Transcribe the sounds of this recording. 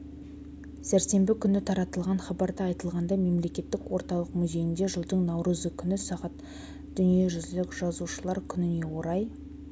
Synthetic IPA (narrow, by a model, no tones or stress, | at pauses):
sæɾse̞mbɪkʲʰʏnɪt̪ʰɑɾɑt̪əlˠʁɑnχɑbɑɾd̪ɑɑjt̪əlˠʁɑnd̪ɑme̞mle̞kʲe̞t̪ːɪkwo̞ɾt̪ɑlˠəqmʏzʲe̞jɪnd̪eʒəlˠd̪əɴnɑwɾəzəkʲʰʏnɪsɑʁɑt̪ | d̪̥ʏnije̞ʒʏzlɪkʒɑzuʃəlˠɑɾkʲʰʏnɪne̞wo̞ɾɑj